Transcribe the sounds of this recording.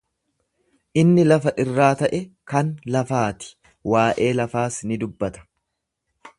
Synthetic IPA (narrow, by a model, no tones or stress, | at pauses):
ʔɪnːɪlɐfɐʔɪrːaːt̪ɐʔɛkɐnlɐfaːt̪ɪ̥ | waːʔe̞ːlɐfaːsnɪd̪ʊbːɐt̪ɐ̥